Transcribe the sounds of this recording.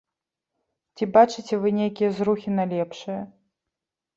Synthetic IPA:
t͡sʲibat͡ʂɨt͡sʲɛvɨnʲejkʲijɐzruxʲinɐlʲɛpʂɨjɐ

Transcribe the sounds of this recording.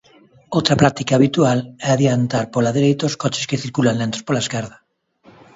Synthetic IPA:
owt̪ɾapɾat̪ikaːβit̪ualɛaðjant̪aɾpolaðeɾejt̪oskɔt͡ʃɪ̥skeθiɾkulanlent̪o̥spolaeskɛɾðɐ

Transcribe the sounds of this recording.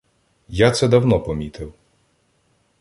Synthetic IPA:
jat̪sɛd̪ɐwnɔpɔmʲit̪ʰɪw

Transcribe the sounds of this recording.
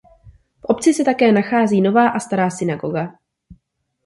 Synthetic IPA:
fʔo̞pt͡sɪsɛt̪akɛːnaxaːziːno̞vaːʔast̪aɾaːsɪnaɡo̞ɡa

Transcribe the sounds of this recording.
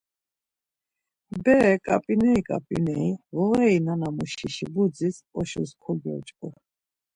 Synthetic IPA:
bɛkʼa̰pʼinɛikʼa̰pʼḭnɛivɔɣɛinanamuʃiʃibud͡zisɔʃɔ̰skʰɔɡɔ̰t͡ʃʼkʼɔ

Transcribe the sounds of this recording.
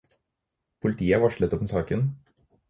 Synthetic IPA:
pʰʊlɪt̪ʰiːəʋɑʂɭət̪ɔpmɛsɑːkən

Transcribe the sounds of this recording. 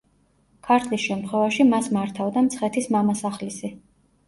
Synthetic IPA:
kʰaɾt̪ʰlisʃɛmt̪χwɛvaʃimasmaɾt̪ʰavd̪amt̪sʰχɛt̪ʰismamasaχlisi

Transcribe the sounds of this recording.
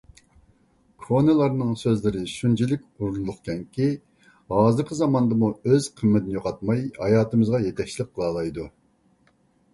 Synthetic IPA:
kʰonɨlˠɑɾnɨŋsøzlɪɾɪʃunt͡ʃʰilɪk̚ʲuɾllˠʊχkʲɛŋkʲi | hɑːzɨɾqʰəzɑmɑnd̪ɨmuøz̥qʰəmːɛt̪ɪnɪjoqʰɑt̪̚mɑjhɑjɑːt̪ɨmɨzʁɑjɛt̪ʰɛkʲt͡ʃʰilˠɪp̚qʰːəlˠɑːlˠɑjd̪u

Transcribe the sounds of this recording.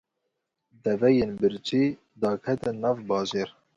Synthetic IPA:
d̪ɛvɛjenbɨɾt͡ʃʰiː | d̪ɑːkʰɛt̪ɨnɑːvbɑːʒeːɾ

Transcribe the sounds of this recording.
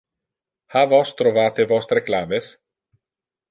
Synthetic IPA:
havɔst̪ɾovaːt̪evɔsɾeklaːmes

